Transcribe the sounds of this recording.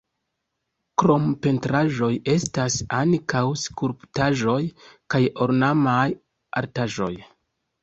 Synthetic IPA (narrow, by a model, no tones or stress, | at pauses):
kɾo̞mpe̞ntɾaʒo̞je̞stasankawskuɾptaʒo̞jkajo̞ɾnamaj | ʔa̰ɾtaʒo̞̰j